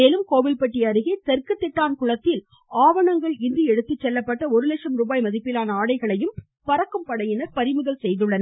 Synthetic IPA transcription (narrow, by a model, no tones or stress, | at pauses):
eːlɯmkoːʋɪlpɐʈːɪjɐɾɯɣeːt̪ɛɾkɯt̪ːɪʈːaːnkʊɻɐt̪ːɪl | aːʋɐɳɐŋɡɐɭɪnd̪iɛɽɯt̪ːɪt͡ʃːɛlːɐpːɐʈːɐɔɾɯlɛʂɐmɾubaːjmɐðɪpːɪlaːnɐaːɽɐɪɣɐɭɐjɯm | pɐɾɐkːɯmpɐɽɐjɪnɐɾpɐɾɪmɯðɐlsɛjðɯɭːɐn